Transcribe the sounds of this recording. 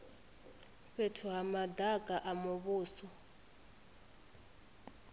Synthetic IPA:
ɸɛtʰʊɦamadʱakʼaʔamʊβʊːsɔ

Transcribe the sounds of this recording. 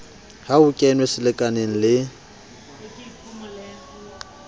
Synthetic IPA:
haʊkʼɛnwesɪlɪkʼaneŋ̩lɪ

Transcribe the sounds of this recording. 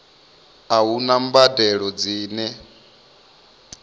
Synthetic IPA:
aɦunambadɛɺɔd͡ziːnɛ

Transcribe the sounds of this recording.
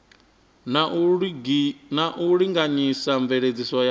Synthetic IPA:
na | naʔuɺiŋɡaɲisaɱvɛɺed͡zisɔja

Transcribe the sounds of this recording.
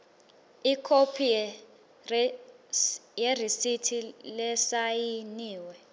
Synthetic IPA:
ikʰopʰij | jerisitʰilɛsajiniːwɛ

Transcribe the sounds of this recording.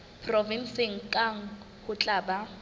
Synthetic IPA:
pʰʼrɔvin̩seŋ̩kʼaŋ̩ | hʊt͡ɬʼaːba

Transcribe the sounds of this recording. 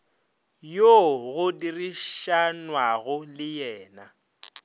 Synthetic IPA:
joɣʊdiriʃanwaɣʊlɪjɛːna

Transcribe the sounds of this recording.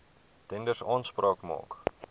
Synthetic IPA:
tɛndərsɑːnsprɑːkmɑ̰ːk

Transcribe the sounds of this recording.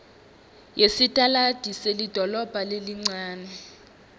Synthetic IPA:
jesitʼalad̥ʱiselid̥ʱɔlɔb̥ʱaleliŋ͡ǀaːnɛ

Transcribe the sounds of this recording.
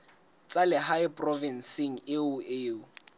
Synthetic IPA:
t͡salɪɦajpʼrɔvɛnsɪŋ̩ɪʊʔɪːʊ

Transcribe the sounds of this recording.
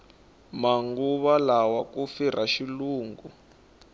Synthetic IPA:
maŋɡuβalawakufir̤aʃiluːŋɡu

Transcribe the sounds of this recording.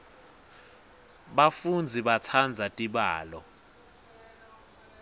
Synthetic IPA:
ɓafund͡zʱiɓat͡sʰand͡zʱatʼiɓaːlɔ

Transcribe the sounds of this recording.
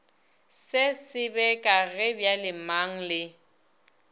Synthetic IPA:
sɪsɪbɛkʼaɣɪbjalɪmaŋ̩lɪ

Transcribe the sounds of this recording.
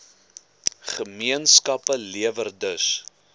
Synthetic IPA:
χəmiənskɐpəliəvərdəs

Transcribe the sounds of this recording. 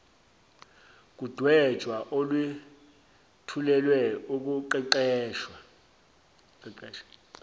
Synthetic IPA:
k̬ʼud̥ʱwɛ̥ʒ̥ʱwaʔolwi | tʰulɛlwɛuk̬ʼuǃiǃɛːʃwa | ǃɛʃḁ

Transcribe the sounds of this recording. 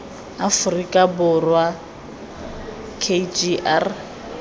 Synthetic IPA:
afʊrikʼabʊrwa | kʰed͡ʒiʔar

